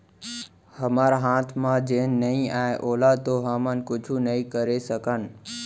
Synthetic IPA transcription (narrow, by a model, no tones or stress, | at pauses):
həmaːɾaɦaːt̪ʰmãd͡ʒeːnːəĩaːeʔoːlat̪oɦəmənkʊd͡ʒʱʰunəĩkəɾesəkənɪ̆